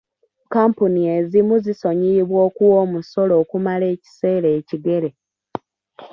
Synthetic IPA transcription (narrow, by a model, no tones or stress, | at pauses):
kaːmpuniezimuziso̞ɲiβwo̞ːkuwo̞ːmuso̞lo̞ːkumale̞ːci̥se̞ːɾeːciɡe̞ɾe̞